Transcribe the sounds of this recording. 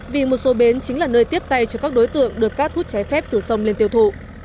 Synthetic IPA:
vi˨˩mo˨˩t̚so˨˦ɓe˨˦nt͡ɕï˨˦ŋ̟laː˨˩nəː˧jt̪i˦˥əp̚t̪a˧jt͡ɕɔ˧kaː˦˥k̚ɗo˨˦jt̪ɨ̰˧˨əŋɗɨ˨˩əkːaː˦˥k̚hu˦˥t̚t͡ɕɛ˨˦jfɛ˦˥p̚t̪ɨ˨˩sə˧wŋ͡mle˧nt̪i˧əwt̪ʰṵ˧˨

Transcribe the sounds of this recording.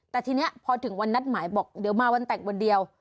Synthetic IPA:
t̪ɛː˨˩t̪ʰiː˧ni˦˥ɐpʰɔː˧t̪ʰɯ˩˦ŋwa˧nːa˦˥t̪̚maː˩˦jbɔː˨˩k̚di˨˩˦əwmaː˧wa˧nt̪ɛ˨˩ŋwo˧ndi˧əw

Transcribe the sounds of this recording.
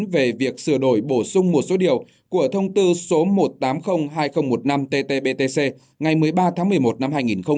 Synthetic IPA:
ve˨˩vi˨˩ək̚sɨ˧˩əɗo˧˩jɓo˧˩sʊ˧ŋ͡mmo˨˩t̚so˨˦ɗi˨˩əw | ku˧˩ət̪ʰə˧wŋ͡mt̪ɨ˧so˨˦mo˨˩t̚t̪aː˨˦mxə˧wŋ͡mɦaː˧jxə˧wŋ͡mmo˨˩t̚na˧mt̪e˧t̪e˧ɓe˧t̪e˧se˧ | ŋa˨˩jmɨ˨˩əjɓaː˧t̪ʰaː˨˦ŋmɨ˨˩əjmo˨˩t̚na˧mɦaː˧jŋi˨˩nxə˧wŋ͡m

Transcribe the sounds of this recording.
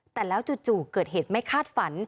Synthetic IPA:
t̪ɛː˨˩lɛː˦˥wt͡ɕu˨˩t̪̚t͡ɕuː˨˩kɤː˨˩t̪̚heː˨˩t̪̚ma˥˩jkʰaː˥˩t̪̚fa˩˦n

